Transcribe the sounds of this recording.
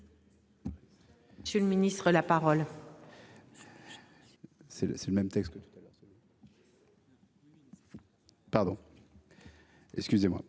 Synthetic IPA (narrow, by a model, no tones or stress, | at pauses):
sələminist̪χəlapaʁɔl | sɛlsɛləmɛmt̪ɛkst̪̚kət̪u̥t̪alœʁsəl | paʁd̪ɔ̃ | ɛ̰kskʲyzemwa̰